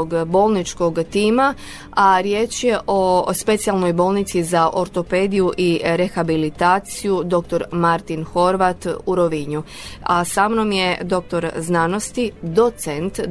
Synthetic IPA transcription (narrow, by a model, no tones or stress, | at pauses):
oɡbo̞ːlˠnit͡ʃko̞ɡt̪iːma | aɾje̞t͡ʃje̞ʔo̞spe̞t̪sijalˠno̞jbo̞ːlˠnit̪sizaʔo̞ɾt̪o̞pe̞d̪ijuʔiɾe̞xabilit̪aːt̪sijud̪o̞k̚t̪o̞ɾmaɾt̪inxo̞ɾʋat̪uɾo̞ʋiɲu | asamnomje̞d̪o̞k̚t̪o̞ɾznano̞st̪id̪o̞t̪sent̪